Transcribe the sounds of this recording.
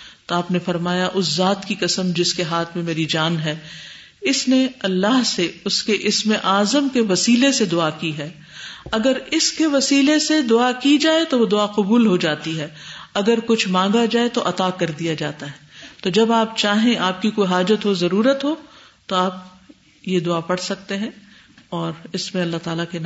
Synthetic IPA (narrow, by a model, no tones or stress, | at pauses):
t̪oaːpnefɐɾmaːjaʔʊszaːt̪kikɐsəmd͡ʒɪskeɦaːt̪ʰmẽmeːɾid͡ʒaːnɦɛː | ɪsneɐlːaɦseʊskeʔɪsmeʔaːzəmkeʋɐsiːlesed̪ʊakiɦɛː | ɐɡəɾɪskeʋɐsiːlesed̪ʊakid͡ʒaːet̪oʋod̪ʊaqʊbuːlɦod͡ʒaːt̪iɦɛːɐɡəɾkʊt͡ʃʰmãːŋɡad͡ʒaːet̪oʔɐt̪akɐɾd̪ijad͡ʒa̰ːt̪aɦɛt̪od͡ʒɐbaːp̚t͡ʃaːɦẽʔaːp̚kikoːiɦaːd͡ʒət̪ɦozɐɾuːɾət̪ɦo | t̪oaːp | jed̪ʊapɐɽsɐk̚t̪eɦɛ̃ | ɔːɾɪsmẽɐlːaɦt̪aːlaken